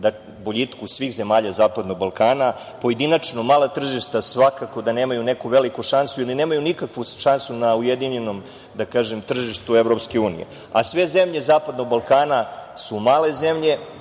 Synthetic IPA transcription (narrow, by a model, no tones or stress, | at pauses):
d̪a | boʎit̪kusʋiːxze̞maːʎazaːpad̪no̞ɡ̚balˠkaːna | po̞je̞d̪inat͡ʂno̞maːlˠat̪r̩ʒiʃt̪asʋakako̞d̪ane̞ːmajune̞kuʋe̞likuʃansuiline̞ːmajunikakʋuʃansunaujed̪iɲe̞no̞m | d̪akaːʒemt̪r̩ʒiʃt̪uevɾopske̞uːnḭjḛ | asʋe̞zemʎe̞zaːpad̪no̞ɡ̚balˠkaːnasumaːle̞zemʎe̞